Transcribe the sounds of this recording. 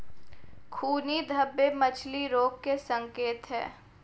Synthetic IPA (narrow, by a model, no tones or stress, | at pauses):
kʰuːnid̪ʱəbːemət͡ʃʰliɾoːkːesə̃ŋkeːt̪ɦɛ̰ː